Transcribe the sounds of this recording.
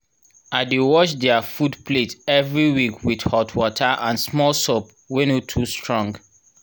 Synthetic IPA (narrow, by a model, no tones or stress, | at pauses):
adewɔʃdɛafudpletɛvɹiwikwidhɔtʰwɔtʰaʔãnsmɔlsɔp | wenotʰustɹɔ̃ŋɡ